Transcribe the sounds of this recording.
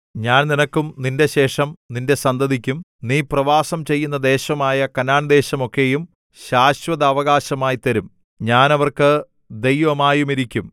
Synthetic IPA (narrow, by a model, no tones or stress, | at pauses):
ɲaːnninɐkːumninde̞ɕe̞ːʂɐmninde̞sɐnd̪ɐðikʲːumniːprɐʋaːsɐmt͡ɕe̞jːun̪ːɐd̪e̞ːɕɐmaːjɐkɐnaːɳɐd̪e̞ːɕɐmo̞kːe̞jum | ɕaːɕʋɐðɐːʋɐɣaːɕɐmaːjit̪ɐɾum | ɲaːnɐʋɐrkɨ | d̪ejʋɐmaːjumiɾikʲːum